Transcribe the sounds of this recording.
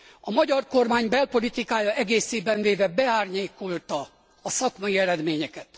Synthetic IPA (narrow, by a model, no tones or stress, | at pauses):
ɒmɒɟɒrko̞rmaːɲbɛlpo̞lit̪ikaːjɒʔɛɡeːseːbɛɱveːvɛbɛaːrɲeːko̞lt̪ɒː | sɒkmɒjiɛɾɛd̪meːɲɛkɛt̪